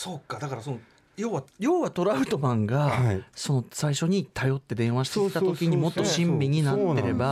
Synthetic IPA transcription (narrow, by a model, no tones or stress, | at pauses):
so̞kːad̪akaɾaso̞no | jo̞ːβajo̞ːβat̪o̞ɾaɯ̟t̪o̞bãŋɡaso̞no̞saiɕo̞ɲ̟it̪ajo̞t̪ːe̞d̪ẽ̞ɰ̃βaɕi̥t̪eit̪at̪o̞kʲiɲ̟imo̞t̪ːo̞ɕĩmbʲiɲ̟inat̪ːe̞ɾe̞ba